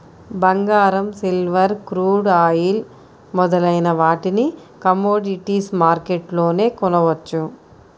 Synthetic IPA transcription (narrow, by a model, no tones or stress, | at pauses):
bɐŋɡaːɾɐmsilʋɐɾkɾuːɖaːjil | mɔd̪ɐlɐjnɐʋaːʈini | kɐmoːɖiʈiːsmaːɾkeʈlo̞ːne̞ːkɔnɐʋɐt͡ʃːu